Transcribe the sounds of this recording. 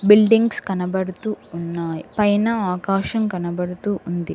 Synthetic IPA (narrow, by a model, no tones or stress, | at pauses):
bilɖiŋɡskɐnɐbɐɽut̪uːnːaːjipɐjnɐaːkaːʃɐmkɐnɐbɐɽut̪uːʔund̪ḭ